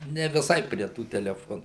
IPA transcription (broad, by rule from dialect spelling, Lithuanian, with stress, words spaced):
nʲɛ ʋʲɪˈsɐɪ pʲrʲiɛ ˈtuː tʲɛlʲɛˈfoːnuː